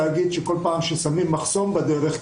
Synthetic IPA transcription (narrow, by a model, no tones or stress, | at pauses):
aɡid̪ʃeko̞lpaːmʃesamimːaχso̞mbed̪eɾeχ